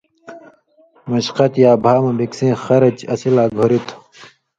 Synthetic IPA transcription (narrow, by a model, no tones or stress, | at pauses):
mɐɕqɐt̪jaːbʱaːmɐbiksẽːxɐɾɐt͡ɕɐsilaːɡʱoɾit̪ʰ